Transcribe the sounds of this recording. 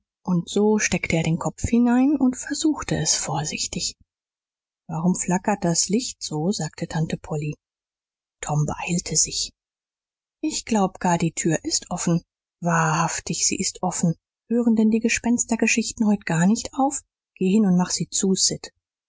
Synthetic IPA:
ʔʊntz̥oːʃtɛktʰəʔeːɐɾeːnkʰɔp͡fhɪnaɪnʊntfɛɐzuːxtəɛsfoːɐzɪçtɪç | vaʁ̞ʊmflakɐt̚d̥aslɪçtz̥oːzaːktʰətʰantəpʰɔli | tʰɔmbəʔaɪltʰəz̥ɪç | ʔɪçɡ̥laʊbəɡ̥aːɐdiːtʰyːɐʔɪstʔɔfn̩ | vaːɐhaftɪçz̥ḭːʔɪstʔɔfn̩ | høːʁəndɛndiːɡəʃpɛnstɐɡəʃɪçtn̩hɔʏtɡ̥aːɐnɪçtʔaʊf | ɡ̥eːhɪnʊntmaχz̥iːt͡suːsɪt

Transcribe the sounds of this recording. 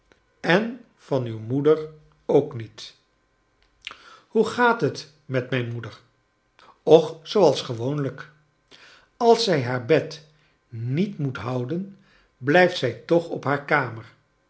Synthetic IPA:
ɛn | v̥ɑnywmudəɹ | owknit | huχaːtɦət | mɛtmɛjnmudəɹ | ɔχsowɑlˠsχəʋownlək | ɑlˠsɛjɦaːɹbɛt | nitmutɦʌwdən | blɛjftsɛjtɔχɔpɦaːɹkaːməɹ

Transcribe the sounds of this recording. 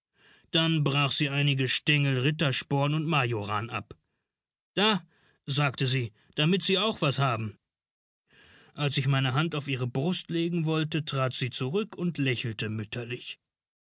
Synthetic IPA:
d̥anbʁaːχz̥iːʔaɪnɪɡəʃtɛŋl̩ʁɪtɐʃpɔːɐnʊntmajoʁaːnʔa̰p | d̥aː | zaːktəziː | d̥amɪtz̥iːaʊxv̥ashaːbm̩ | ʔalsɪçmaɪnəɦantaʊfiːʁəbʁʊstleːɡŋ̩vɔltətʁ̥aːtz̥iːt͡suʁʏkʰʊntʰlɛçl̩təmʏtʰɐlɪç

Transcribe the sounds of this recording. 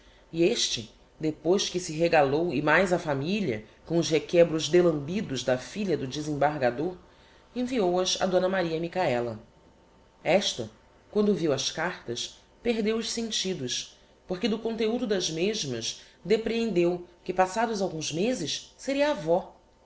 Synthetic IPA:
ieʃt͡ʃɪ | d̪epojʃkɪsɪɦeɡalowɪmajzɐfamiʎiɐ̰kõʊʃɦekɛbɾʊzd̪elɐ̃mbid̪ʊzd̪ɐfiʎɐd̪ʊd͡ʒɪzẽbaɾɡad̪oɾ | ẽviowɐzɐ̰d̪õnɐmaɾiɐmikaɛlɐ̰ | ɛʃt̪ɐ | kwɐ̃nd̪ʊviwɐʃkaɾt̪ɐs | peɦd̪ewʊʃsẽnt͡ʃid̪ʊʃ | poɾkɪd̪ʊkõnt̪eud̪ʊd̪ɐzmeʒmɐʃ | d̪epɾeẽnd̪ewkɪpasad̪ʊzawɡũzmezɪsseɾiɐːvɔ

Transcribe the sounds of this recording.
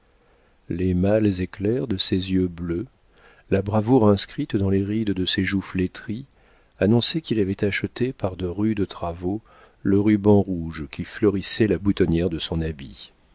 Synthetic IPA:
lemalzeklɛʁd̪əsezjøblø | labʁavuʁɛ̃skχit̪d̪ɑ̃leʁid̪d̪əseʒuflet̪χi | anɔ̃sɛkʲilavɛt̪aʃət̪epaʁd̪əʁyd̪ət̪χavo | ləʁybɑ̃ʁuʒkʲiflœʁisɛlabut̪ɔnjɛʁd̪əsɔ̃nabḭ

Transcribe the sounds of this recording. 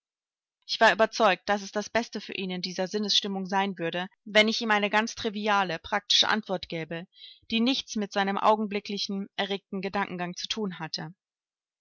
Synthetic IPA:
ʔɪçv̥aːɐʔyːbɐt͡sɔʏk̚t̚d̥as̬ɛsd̥asb̥ɛstəfyːɐʔiːnɪndiːzɐzɪnəsʃtɪmʊŋzaɪnvʏɐdəvɛnɪçʔiːmʔaɪnəɡant͡stʁ̥iviaːləpʁ̥ak̚tɪ̥ʃə̰ʔa̰ntv̥ɔɐtɡ̥ɛːbəd̥iːnɪçt͡smɪtz̥aɪnəmʔa̰ʊɡŋ̩blɪklɪçn̩ʔɛɐʁeːk̚tn̩ɡədaŋkŋ̩ɡaŋt͡su̥tʰuːnɦatʰə

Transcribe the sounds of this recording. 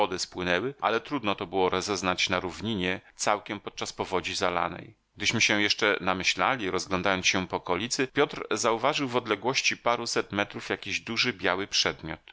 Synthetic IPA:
ɔd̪ɘspwɘnɛwɘʔa̰lɛt̪ɾud̪nɔt̪ɔbɘwɔɾɔzɛznat͡ɕnaɾuvɲiɲɛt̪sawkʲɛmpɔt̪̚t͡ʂaspɔvɔd͡ʑizala̰nɛ̰j | ɡ̚d̪ɘɕmɘɕɛ̃jɛʂt͡ʂɛnamɘɕla̰lʲiɾɔzɡlɔnd̪ajɔnɕɛpɔːkɔlʲit̪sɘpʲjɔt̪ɾzauvaʐɘwvɔd̪lɛɡwɔɕt͡ɕipaɾusɛt̪mɛt̪ɾufjakʲiʑd̪uʐɘbʲjawɘpʂɛd̪mʲjɔ̰t̪

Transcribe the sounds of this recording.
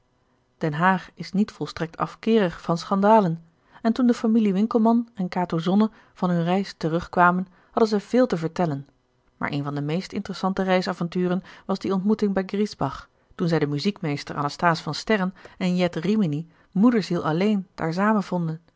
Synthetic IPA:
d̥ɛnɦaːχɪsnitfɔlˠstrɛk̚tɑ̰fkɪːrəχfɑnsχɑndaːlən | ɛntundəfamiliʋɪŋkəl̩ˠmɑnɛnkaːtozɔnə | v̥ɑnɦɵnrɛjstərɵχkʋaːmən | hɑdənzɛjv̥ɪːlˠtəvəɹtɛlən | ma̰ːɹʔḛjnvɑndəmejstɪ̰ntərəsɑntərɛjsavɑntyːrənʋɑzdiɔntmutɪŋbɛjɡrizbɑχ | tunzɛjdəmyzikmejstəɹʔɑ̰nastaːsfɑnstɛrənɛnjɛtrimini | mudəɹsilˠɑlejnd̥a̰ːɹsaːmənv̥ɔndən

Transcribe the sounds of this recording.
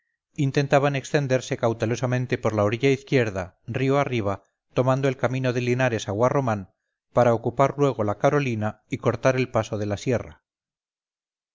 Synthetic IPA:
int̪e̞nt̪aβane̞kst̪e̞nd̪e̞ɾse̞kawt̪e̞lo̞samẽ̞nt̪e̞po̞ɾlaoɾiʎaiθkje̞ɾðarioariβ̞a | t̪o̞mãnd̪oelkamĩno̞ðe̞linaɾe̞saɣwaro̞mãn | paɾaokupaɾlwe̞ɣ̞o̞lakaɾo̞lina | iko̞ɾt̪aɾe̞lpaso̞ð̞e̞lasje̞ra̰

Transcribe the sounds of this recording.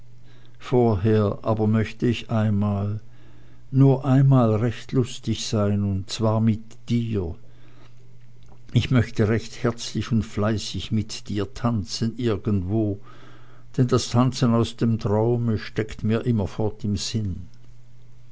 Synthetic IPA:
foːɐɦeːɐʔaːbɐmœçtəɪçʔaɪnmaːl | nuːɐʔaɪnmaːlʁɛçtlʊstɪçz̥aɪnʊntt͡sv̥aːɐmɪt | d̥iːɐɐ | ʔɪçmœçtəʁɛçthɛɐt͡slɪçʊntflaɪsɪçmɪtd̥iːɐtʰant͡sənʔɪɐɡəntv̥oː | d̥ɛndastʰant͡sənaʊsd̥eːmtʁ̥aʊməʃtɛktmiːɐʔɪmɐfɔɐtɪmz̥ɪn

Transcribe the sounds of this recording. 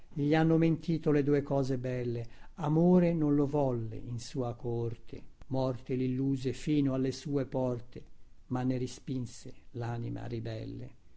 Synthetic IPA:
ʎianːoment̪ʰiːt̪oled̪uekɔːzebɛlːeamoːɾenonlovɔlːḛinsuːakort̪ʰḛmɔrt̪elilːuːzefiːnoalːesuːepɔrt̪e | manːeɾispinselanima̰ribɛ̰lːḛ

